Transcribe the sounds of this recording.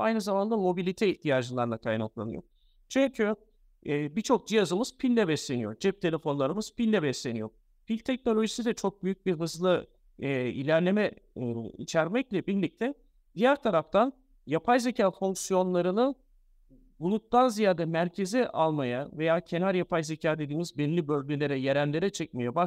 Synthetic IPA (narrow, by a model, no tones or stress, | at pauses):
ajnɯzamand̪ˠamo̞bilʲit̪ʰɛiçt̪ʰijaːd͡ʒɯlˠaɾlˠakʰajnaklˠa̰nɯjo̞̰ɾ | t͡ʃʰyncʰy | bit͡ʃʰo̞k̚d͡ʒijazɯmɯz̥pʰilːʲɛbɛslʲe̞nijo̞ɾd͡ʒɛp̚t̪ʰe̞lʲe̞fo̞nlˠaɾɯmɯz̥pilʲːɛbɛslʲe̞nijo̞ɾ | pʰilʲt̪ʰɛc̚no̞lʲo̞ʒisid̪ɛt͡ʃʰo̞k̚byjyc̚biɾɦɯzlˠɯ | ḭlʲæɾlʲe̞mɛ | ḭt͡ʃʰæɾmɛclʲɛbiɾlʲic̚t̪ʰɛ | d̪̥ijæɾt̪ʰaɾaft̪ʰan | japʰajze̞cʰaːfuŋksijo̞nlˠaɾɯnɯn | bulˠut̪̚ːanzijaːd̪ɛmæɾcʰe̞ziʔalˠmajave̞jaːcʰe̞naɾjapʰajze̞cʰaːd̪e̞d̪iːmizbɛnlʲibø̞lʲɟylʲe̞ɾɛjeɾænlʲe̞ɾɛt͡ʃʰɛc̚mejɛba